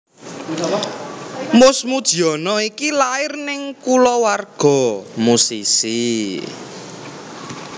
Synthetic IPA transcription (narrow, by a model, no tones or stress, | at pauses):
mʊsmud̥ʒ̥i̤ɔnɔikilaɪrnɪŋkulɔwarɡ̥ɔ̤musisi